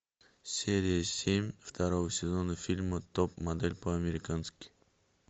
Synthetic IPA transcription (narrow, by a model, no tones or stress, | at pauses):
sʲeɾʲɪjəsʲemʲft̪ʰɐɾovəsʲɪzonəfʲilʲmət̪opmɐd̪ɛlʲpəɐmʲɪɾʲɪkanskʲɪ̥